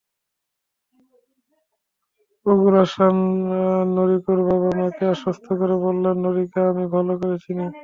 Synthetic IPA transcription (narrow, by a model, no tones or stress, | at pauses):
oɡuɾaʃanː | oɾikoɾbaβamakeaʃost̪ʰokɔɾebolːannoɾikaamibʱalokoɾet͡ɕʰini